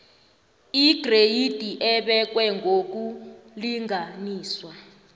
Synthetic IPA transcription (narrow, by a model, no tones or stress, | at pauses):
iɡ̥ʱrejid̥ʱiʔɛɓɛk̬wɛŋɡʱok̬uliŋʱaniːswa